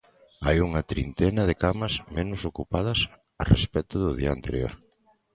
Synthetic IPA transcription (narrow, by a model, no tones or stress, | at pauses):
ajuŋɐt̪ɾint̪ɛnɐðekamɐsmenʊsokupaðɐs | ɐrḛspɛt̪ʊðʊðiɐant̪eɾjo̰ɾ